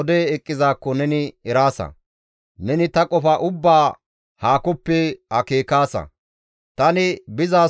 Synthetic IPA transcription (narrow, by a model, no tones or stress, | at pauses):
d̪eːɛkʼːɪzaːkːɔnɛnɪɛɾaːsɐ̰ | nɛnɪt̪ɐkʼɔfɐʔʊbːaː | haːkɔpːɛhɐke̞ːkaːsɐ̰ | t̪ɐnɪbɪzaː